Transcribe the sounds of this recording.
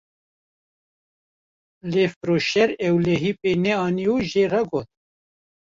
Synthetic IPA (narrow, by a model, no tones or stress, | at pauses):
leːfɾoːʃɛɾɛwlɛɦiːpeːnɛɑːniuːʒeːrɑɡoːt̪̚